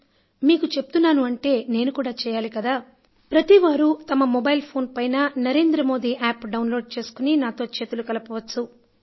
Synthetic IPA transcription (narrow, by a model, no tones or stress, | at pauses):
miːkut͡ʃeput̪unːaːnuɐɳʈe̞ːne̞ːnukuːɽaːt͡ʃɛːjaːlikɐd̪aː | pɾɐt̪iʋaːɾut̪ɐmɐmɔbɐjlpʰo̞ːnpɐjnɐnɐɾe̞ːnd̪ɾɐmo̞ːd̪iːʔaːpɖɐwnlo̞ːɖ̚t͡ʃe̞ːsu̥kuninaːt̪o̞ːt͡ʃe̞ːt̪ulukɐlɐpɐʋɐt͡ʃːu